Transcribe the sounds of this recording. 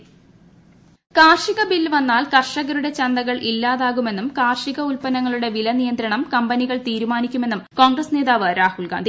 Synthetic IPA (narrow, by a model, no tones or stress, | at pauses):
kaːrʂiɣɐbilʋɐnːaːlkɐrʂɐɣɐɾuɽe̞t͡ɕɐnd̪ɐɣɐɭʔilːaːðaːɣume̞nːumkaːrʂiɣɐulpɐnɐŋːɐɭuɽe̞ʋilɐnijɐnd̪ɾɐɳɐmkɐmbɐniɣɐɭt̪iːɾumaːnikʲːume̞nːumko̞ːŋɡrɐsne̞ːðaːʋɨɾaːhulɡa̰ːnd̪ʱi